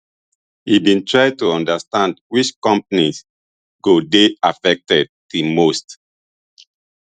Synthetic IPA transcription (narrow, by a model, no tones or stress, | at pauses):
hibĩntʰɹaɪtuɔ̃ndəstãndwit͡ʃkɔ̃mpanis | ɡodeafɛk̚tɛd̚tumost